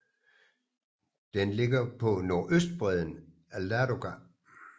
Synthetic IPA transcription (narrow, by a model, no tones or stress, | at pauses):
d̥enle̝ɡ̥ɐpʰɒ̽no̝ɐʔøsd̥̚b̥ʁɛð̞ˠn̩ | ælæɾo̝ɡ̥æ